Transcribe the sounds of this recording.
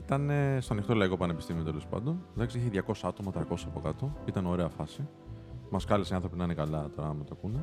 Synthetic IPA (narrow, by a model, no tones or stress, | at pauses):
it̪ɐnest̪oɐnixt̪olɐiko̞pɐnepist̪imieot̪e̞lo̞spɐ̰nd̪o̞nd̪ɐksieçeðʝɐko̞sɐɐt̪o̞mɐt̪ɾɐko̞sɐːpo̞kɐt̪o̞it̪ɐnoɾe̞ɐfɐsi | mɐskɐlɐsiɐnθɾo̞pinɐinekɐlɐt̪oɾɐmot̪ɐkunɐ